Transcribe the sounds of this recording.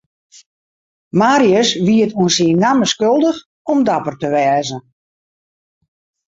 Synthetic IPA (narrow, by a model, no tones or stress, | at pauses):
maːɾiəsʋiətuənsiənnːaməskølˠdəx | ɔmdapərtəʋɛːzə